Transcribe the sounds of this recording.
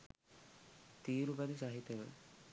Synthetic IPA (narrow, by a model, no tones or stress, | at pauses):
t̪iːɾubɐd̪isaːɦit̪ːjɐɡɐ̰ɭ